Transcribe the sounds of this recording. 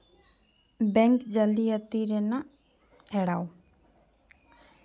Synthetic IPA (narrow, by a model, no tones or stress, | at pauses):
bɛŋkd͡ʒaliət̪iɾɛna | ɛɽaw